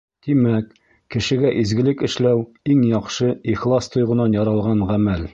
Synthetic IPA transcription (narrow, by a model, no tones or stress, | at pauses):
t̪imækː | ɘ̆ʃɘ̆ɡæʔizɡɘ̆lɘkɘ̆ʃlæw | iŋjɒqʃɤiχlˠɑst̪ʰŏjʁɤ̆nɑnjɒɾɑlˠʁɑnʁæmæl